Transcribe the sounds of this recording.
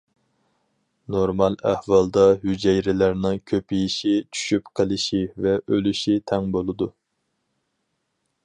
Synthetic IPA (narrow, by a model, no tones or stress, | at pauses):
noɾmɑlˠæhvɑlˠd̪ɑhyd͡ʒɛjɾɪlæɾnɨŋkʲʰøpijiʃit͡ʃʰy̥ʃypqʰəlˠɨʃivɛʔølyʃit̪ʰɛŋbolˠɨd̪u